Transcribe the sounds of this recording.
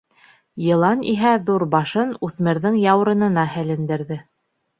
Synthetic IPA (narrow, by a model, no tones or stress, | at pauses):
jɤ̆lˠɑnḭɦæðuɾbɑʃɤnʉθmɘ̆ɾðɘŋjɑw̆ɾɤ̆nɤ̆nɑhælɘ̆nd̪ɘ̆ɾðɘ